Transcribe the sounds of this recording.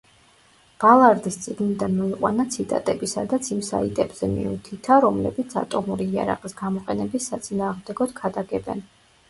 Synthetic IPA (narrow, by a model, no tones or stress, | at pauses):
b̥alˠaɾd̪ist̪sʼiɡnid̪anmɔiqʼwa̰nat̪sʰit̪ʼa̰t̪ʼɛbisa̰d̪at̪sʰimsa̰it̪ʼɛbz̥ɛmḭut̪ʰit̪ʰaɾɔmlɛ̰bit̪sʰa̰t̪ʼɔmuɾiːa̰ɾa̰qʼisɡamɔqʼɛnɛbisːat̪sʼinaːʁmd̪ɛɡɔd̪̥kʰad̪aɡɛbɛ̰n